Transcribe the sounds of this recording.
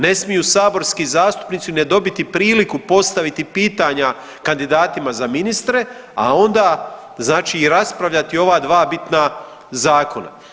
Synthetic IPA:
ne̞smijusaːbo̞ɾskizaːst̪u̥pnit̪sine̞d̪o̞bit̪ipɾiːlikupo̞st̪aʋit̪ipiːt̪aɲa | kand̪id̪aːt̪imazaminist̪ɾe̞a̰o̞nd̪aː | znaːt͡ʃiːɾaspɾaʋʎat̪io̞ʋaːd̪ʋaːbit̪na | zaːko̞na̰

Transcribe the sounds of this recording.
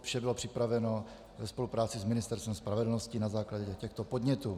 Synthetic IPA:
fʃɛbɪlopr̝̥ɪpɾavɛno̞ | vɛspo̞lupɾaːt͡sɪzmɪnɪst̪ɛɾst̪vɛmspɾavɛdl̩noscɪnazaːklaɟɛɛcɛxt̪opod̪ɲɛt̪uː

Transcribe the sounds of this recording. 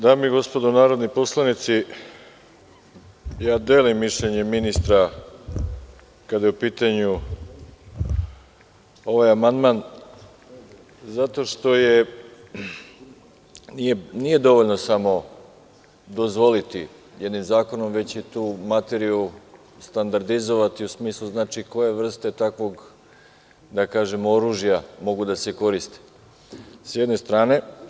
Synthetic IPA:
d̪aːmiɡo̞spo̞d̪onaːɾo̞d̪nipo̞slˠanit̪si | jaːd̪eːlimːiʃʎeɲe̞minist̪ɾa | kad̪jeupiːt̪aɲu | o̞ʋajamand̪man | zat̪o̞ʃt̪o̞je | nijenije̞d̪o̞ʋo̞ʎno̞samo̞ | d̪o̞zʋo̞lit̪ḭ | jed̪nimzaːko̞no̞mʋe̞t͡ɕit̪uːmat̪eɾiu | st̪and̪aɾd̪izo̞ʋat̪iusmiːslˠuznaːt͡ʃiko̞je̞ʋr̩st̪e̞t̪akʋo̞ɡ | d̪akaːʒe̞moɾuːʒjamo̞ɡud̪aseko̞ɾist̪e̥ | sjed̪ne̞st̪ɾaːne̞

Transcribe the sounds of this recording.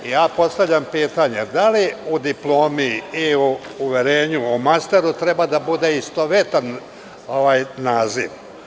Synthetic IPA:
ijaːpo̞st̪aʋʎʲampiːt̪aɲed̪aliud̪iplˠo̞ːmiiuːʋeɾe̞ːɲuumast̪e̞ɾut̪ɾe̞bad̪abud̪e̞ist̪o̞ʋet̪an | o̞ʋaːjːaːzḭʋ

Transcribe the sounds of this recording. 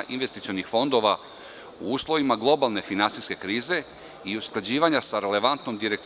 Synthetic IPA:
ʔinʋest̪it̪sio̞nixfo̞nd̪o̞ʋa | uuːslˠo̞ʋimaɡlˠo̞balˠne̞finansiske̞kɾiːze̞ | iusklˠad͡ʑiːʋaɲasaɾe̞le̞ʋant̪no̞md̪iɾe̞kt̪

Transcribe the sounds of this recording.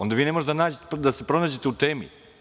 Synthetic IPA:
ond̪aʋiːne̞moʒet̪d̪naːd͡ʑet̪d̪ase̞pɾo̞naːd͡ʑe̞t̪eut̪eːmḭ

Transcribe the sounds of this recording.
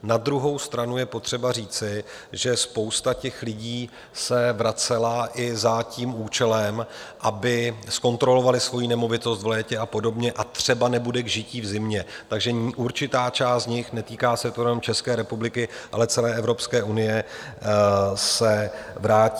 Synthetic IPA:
nad̪ɾuɦo̞wst̪ɾanujɛpot̪r̥ɛbariːt͡sɪ | ʒɛspo̞wst̪acɛxlɪɟiː | sɛvɾat͡sɛlaʔɪzaciːmuːt͡ʃɛlɛmʔabɪsko̞nt̪ɾo̞lo̞valɪsvo̞jinɛmo̞vɪt̪o̞st̪vlɛːcɛapo̞do̞bɲɛʔat̪r̝̥ɛbanɛbudɛɡʒɪciːvzɪmɲɛt̪aɡʒɛʔuɾt͡ʃɪt̪aːt͡ʃaːst̪ɲɪxnɛt̪iːkaːsɛt̪ojɛnomt͡ʃɛskɛːɾɛpublɪkɪʔa̰lɛt͡sɛlɛːʔɛvɾo̞pskɛːʔunɪjɛ | sɛvɾaːcː

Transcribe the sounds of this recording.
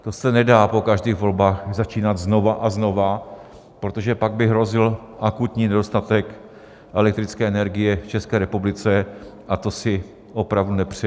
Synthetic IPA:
t̪o̞sɛnɛdaːpo̞kaʒdiːɣvo̞lbaːxzat͡ʃiːnad̪zno̞vaʔazno̞va | pɾo̞t̪o̞ʒɛpaɡ̚bɪɦɾo̞zɪl | ʔakut̪ɲiːnɛdo̞st̪at̪ɛk | ʔɛlɛk̚t̪ɾɪt͡skɛːɛnɛɾɡɪjɛft͡ʃɛskɛːɾɛpublɪt͡sɛʔat̪o̞sɪ | ʔo̞pɾavdunɛpr̝̥ɛ

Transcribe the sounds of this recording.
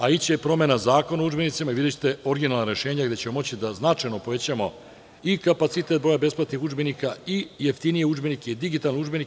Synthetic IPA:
ait͡ɕepɾo̞menazaːko̞naud͡ʒbenit̪simaiʋid̪et͡ɕe̥t̪eo̞ɾɡinalnaɾe̞ʃe̞ːɲaɡd̪e̞t͡ɕemomo̞t͡ɕid̪aznat͡ʃajno̞po̞ʋe̞t͡ɕamo̞ | ikapat̪sit̪e̞t̪bɾojabe̞splˠat̪nixud͡ʒbenikaijeft̪inijeud͡ʒbeniked̪iɡit̪alniud͡ʒbeni

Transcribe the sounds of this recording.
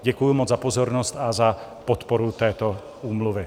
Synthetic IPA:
ɟɛkujumod͡zzapozoɾnost̪azapot̪poɾut̪ɛːt̪o | uːmluvɪ

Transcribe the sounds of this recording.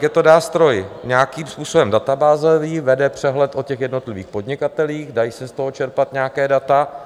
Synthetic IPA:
jɛt̪o̞naːst̪ɾo̞jɲaːkiːmspuːsobɛmdat̪abaːzɛviːvɛdɛpr̝̥ɛɦlɛt̪ʔocɛxjɛdno̞t̪lɪviːxpo̞dɲɪkat̪ɛliːxdajisɛst̪o̞ɦot͡ʃɛɾpat̪ɲakɛːdat̪a

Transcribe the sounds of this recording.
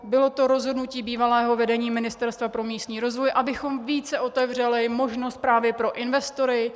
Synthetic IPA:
bɪlo̞t̪o̞ɾo̞zɦodnuciːbiːvalɛːɦo̞vɛdɛɲiːmɪnɪst̪ɛɾst̪vapɾo̞miːst̪ɲiːɾo̞zvojʔabɪxo̞mviːt͡sɛʔo̞t̪ɛvr̝ɛlɪmo̞ʒno̞st̪̚pɾaːvjɛpɾo̞ʔɪnvɛst̪o̞ɾɪ

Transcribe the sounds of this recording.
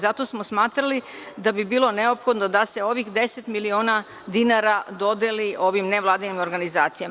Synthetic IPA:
zat̪o̞smosmaːt̪ɾali | d̪abibiːlˠo̞ne̞opxo̞d̪nod̪ase̞o̞ʋixd̪e̞set̪milioːna | d̪inaɾad̪o̞d̪eliʔo̞ʋimneʋlˠaːd̪inimo̞ɾɡanizaːt̪sijam

